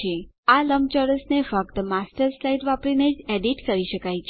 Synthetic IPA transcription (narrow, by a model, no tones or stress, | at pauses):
e | aləmt͡ʃɔɾəsnefək̚t̪masʈəɾslajʈʋapɾined͡ʒeɖiʈkəɾiʃəkajt͡ʃʰ